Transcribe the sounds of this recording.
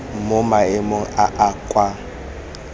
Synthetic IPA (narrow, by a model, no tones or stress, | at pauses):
mʊmaɪmʊaʔakʼwa